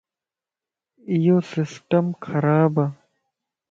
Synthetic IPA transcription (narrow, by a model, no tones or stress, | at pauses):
ijosɪsʈɐmkʰɐɾaːba